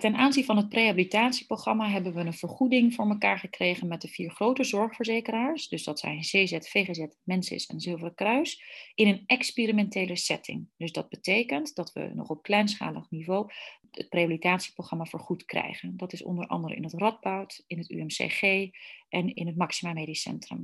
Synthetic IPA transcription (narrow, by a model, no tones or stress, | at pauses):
tɛnʔaːnzinvɑnɦət̚prejɦabilitaːtsi̥proχrɑmaɦɛbənʋəənv̥əɹχudɪŋvʊːɹməkaːɹχəkrejχənmɛt̚dəviːɹχrowtəzɔɹχfəɹzejkəraːɹsdɵzdɑtsɛ̰jnzezɛtfejχezɛtmɛnsɪ̰sɛ̰nzɪlˠvərkrœɥsɪnənʔɛkspirimɛntejləsɛtʰɪ̰ŋdɵzdɑd̚bətejkəntdɑtʋə̰nɔ̰χɔp̚klɛjns̬χa̰ːlə̰χnivow | ə̰t̚preabilitaːtsi̥proχrɑmaːvəːɹχutkrɛ̰jχəndɑtɪsɔ̰ndəɹʔɑ̰ndərə̰nɪ̰nətrɑd̚bɔwtɪnəty̰ɛmsḛχejʔɛnɪnɦətmɑksimaːmejdisɛ̰ntrə̰m